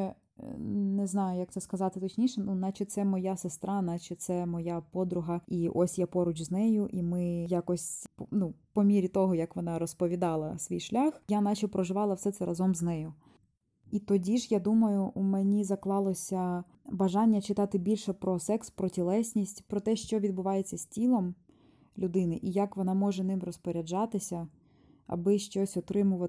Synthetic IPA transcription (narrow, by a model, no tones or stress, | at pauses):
neznɑjʊjɐk̚t̪sɛskɐzɑt̪ɪt̪ɔt͡ʃnʲiʃɛnunɑt͡ʃɪt̪sɛmɔjasest̪ɾʔɑnɑt͡ʃɪt̪sɛmɔjapɔd̪ɾʊɦɐiʔɔsʲjapɔɾʊt͡ʃznɛjʊʔimɪjakɔsʲpnupɔmʲiɾʲit̪ɔɦɔjɐkʋɔnɑɾɔspɔʋʲid̪ɑlˠɐsʋʲijʃlʲaxjanɑt͡ʃipɾɔʒɪʋɑlˠɐwsɛt̪sɛɾʔɐzɔmznɛjʊ | it̪ɔdʲiʒjad̪umɐjʊʔumɛnʲizɐklˠɑlˠɔsʲɐ | bɐʒɑnʲːɐt͡ʃɪt̪ɑt̪ɪbʲilʲʃɛpɾɔsɛkspɾɔtʲilˠɛsʲnʲisʲtʲpɾɔt̪ɛʃt͡ʃɔʋʲid̪̚bʊʋɑjet͡sʲːɐsʲtʲilˠɔm | lʲʊd̪ɪnɪʔijakʋɔnɑmɔʒɛnɪmrɔspɔɾʲɐd͡ʒɑt̪ɪsʲɐ | ɐ̰bɪʃt͡ʃɔsʲɔt̪ɾɪmʊʋɐ